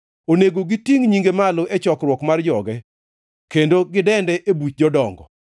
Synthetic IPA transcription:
oneɡoɡitiŋɲiŋɡemaloet͡ʃɔkrwɔkmard͡ʒɔɡɛ | kendoɡɪdɛndɛʔebut͡ʃ̚d͡ʒɔdɔŋɡɔ̰

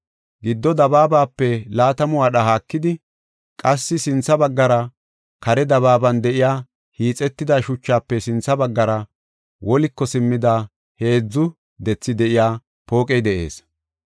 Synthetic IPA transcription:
ɡɪd̪ːɔd̪ɐbaːbaːpːɛlaːt̪ɐmʊwaːɗɐhaːkːɪd̪ɪ | kʼɐsːɪsɪnt͡sːɐbɐɡːɐɾɐ | kɐɾɛd̪ɐβaːbɐnd̪ɛʔɪjaː | hiːt͡sʼɛt̪ːɪd̪ɐʃʊt͡ʃːaːpːɛsɪnt͡sːɐbɐɡːɐɾɐ | wɔlɪkːɔsɪmːɪd̪a | he̞ːd͡zːʊ | d̪ɛt͡sːɪd̪ɛʔɪjaː | po̞ːkʼɛjd̪ɛʔe̞̰ːs

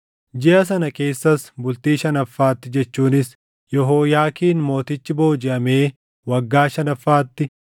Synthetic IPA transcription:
d͡ʒɪʔɐs̬ɐnɐke̞ːsːɐsbʊlt̪iːʃɐnɐfːaːt̪ːɪd͡ʒɛt͡ʃːuːnɪs | jɔɦoːjaːkiːnmo̞ːt̪ɪt͡ʃːɪbo̞ːd͡ʒɪʔɐme̞ː | wɐɡːaːʃɐnɐfːaːt̪ːɪ

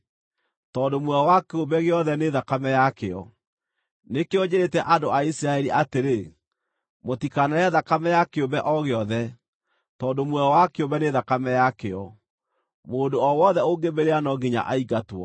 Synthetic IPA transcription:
tɔːndomwɛwakeobɛɣeɔðɛneðakamɛjakeɔ | nekeoɲeɾetɛʔadoaisiɾaɛɾiʔateɾe | motikanaaðakamɛjakeobɛʔɔɣeɔðɛ | tɔːndomwɛɔwakeobɛneðakamɛjakeɔ | moːndoɔwɔðɛoɡebeɾeanɔɡeɲa̰ʔaiɡatwɔ̰

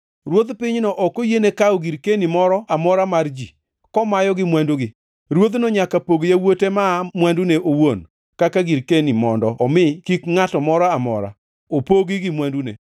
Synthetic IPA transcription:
ɾwod̪pɪɲnɔʔɔkojenekaoɡiɾkenimɔɾɔamɔɾamard͡ʒi | kɔmajɔɡɪmwanduɡɪ | ɾwod̪noɲakapoɡjawotemamwanduneʔowon | kakaɡiɾkenimɔndɔɔmɪkikŋatɔmɔɾaamɔ̰ɾa̰ | opoɡiɡɪmwandunḛ

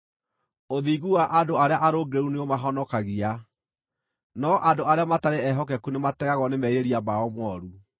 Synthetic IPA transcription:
oðiɣuwaʔadoaɾeaʔaɾoɡeɾuneomaɦɔnɔkaɣia | nɔʔandoaɾeamataɾeɛɦɔk̬ɛkunematɛɣaɣɔnemɛiɾeɾiamaɔmwɔɾu

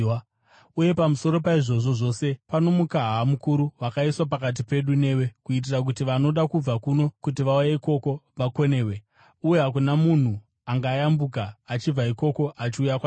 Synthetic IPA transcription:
uje̞pamuso̞ɾo̞paiʐo̞ʐo̞ʐo̞se̞pano̞mukaɦamukuɾuʋakaiswap̬akat̬ipe̞ɗune̞we̞kuit̬irak̬utiʋano̞ɗakub͡vakuno̞kutiʋaujaiko̞ko̞ʋako̞ne̞ːwe̞ | ujeɦakunamun̤u | aŋɡaːjambukaːt͡ʃib͡vaiko̞ko̞ʔat͡ʃiujakwa

